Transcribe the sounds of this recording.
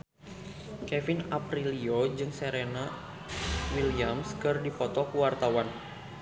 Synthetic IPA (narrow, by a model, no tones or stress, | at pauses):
kɛfɪnapɾiliod͡ʒɨŋseɾena | wiliamskɨrdipɔt̪ɔkuwart̪awan